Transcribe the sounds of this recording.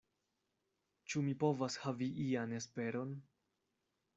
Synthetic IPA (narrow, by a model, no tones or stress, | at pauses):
t͡ʃumipo̞vashaviʔiane̞spe̞ɾo̞n